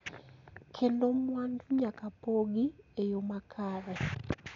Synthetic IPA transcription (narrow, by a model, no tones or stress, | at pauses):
kʰendomwaːnduɲakapoɡiejomakʰaːβe